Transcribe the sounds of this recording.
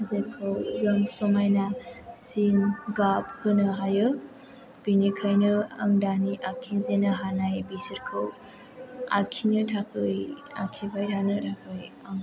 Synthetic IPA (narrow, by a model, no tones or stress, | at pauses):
azekʰɯwzɯmsɔmajnasinɡap̚hɯnɯɦajɯ | b̥inikʰajnɯaŋdaniʔakʰizenɯɦanajbisiɾkʰɯw | a̰kʰinɯtʰakʰɯja̰kʰibajɾanɯtʰakʰɯj | aŋ